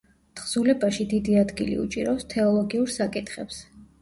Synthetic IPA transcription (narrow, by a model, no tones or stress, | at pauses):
t̪χz̥ulɛbaʃid̪id̪iad̪ɡḭlḭṵt͡ʃʼḭɾɔst̪ʰɛɔlˠɔɡiuɾsakʼit̪ʰχɛps